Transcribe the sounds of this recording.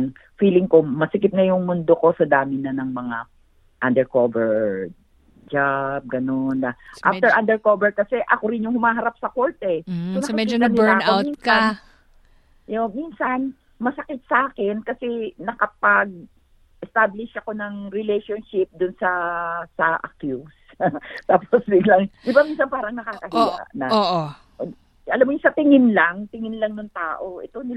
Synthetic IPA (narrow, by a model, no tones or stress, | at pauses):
ŋ | fiːlɪŋkomɐsɪkɪt̪̚nɐjʊŋmʊnd̪oko̞sɐd̪aːmɪnɐnɐŋmɐŋa | ʔɐnd̪ɛɹkovɛɹ | d͡ʒab̚ɡɐnond̪ɐʔaft̪ɛʔand̪ɛɹkovɛɹkɐsɛʔɐko̞ɾɪnjʊŋhʊmaːɦɐɾap̚sɐko̞ɹt̪ɛonɐkɐkiɐnɪlaowminsan | jominsɐn | mɐsɐkɪt̪̚sɐʔaːkɛnkɐsɛnɐkɐpɐɡ̚ | ʔɛst̪aːblɪʃʔɐko̞nɐŋɾɪlɛjʃonʃɪp̚d̪ʊnsɐsɐʔɐ̰kjus | t̪aːposd̪ɪnlɐŋd̪ɪbaminsɐnpaːɾɐŋnɐkaːkɐɦḭnɐ̰ʔ | ʔɐlamːojʊsɐt̪ɪŋɪnlaŋt̪ɪŋɪnlɐŋnʊŋt̪aːʔo̞ʔɛt̪o̞nɪ